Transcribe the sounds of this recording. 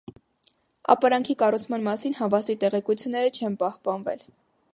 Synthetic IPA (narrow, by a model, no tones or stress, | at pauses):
ɑ̰pɑɾɑŋkʰikɑrut͡sʰmɑnmɑsinɦɑvɑsit̪ɛʁɛkut͡sʰjunːɛɾət͡ʃʰɛnpɑhpɑnvɛ̰l